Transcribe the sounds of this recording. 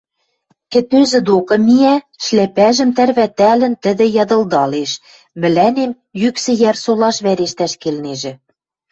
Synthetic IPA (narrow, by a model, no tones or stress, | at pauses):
kɘ̆t̪øzɘ̆d̪okɤ̆miæ | ʃlæpæʒɘ̆mt̪ærβæt̪ælɘ̆nt̪ɘ̆d̪ɘ̆jɑd̪ɤ̆ld̪ɑleʃ | mɘ̆lænem | jyksɘ̆jærsolɑʃβæɾeʃt̪æʃkelneʒɘ̆